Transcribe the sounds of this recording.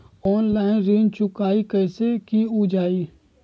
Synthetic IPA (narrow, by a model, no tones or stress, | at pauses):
ɔːnlaːɪnɾeːnt͡ʃʊkaːikəɪsekiud͡ʒaːi